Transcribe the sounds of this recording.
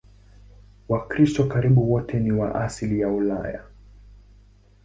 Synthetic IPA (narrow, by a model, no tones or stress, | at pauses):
wakɾistɔkaɾiɓuwɔtʰɛniwa̰ʔaslijaula̰ja̰